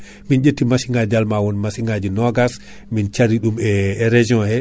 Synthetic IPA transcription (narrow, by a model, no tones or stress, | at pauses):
mind͡ʒetːimasiŋɡad͡ʒalmawɔnmasiŋɡad͡ʒinɔɡas | mint͡ʃaɾiɗumɛɾed͡ʒiɔ̃hɛ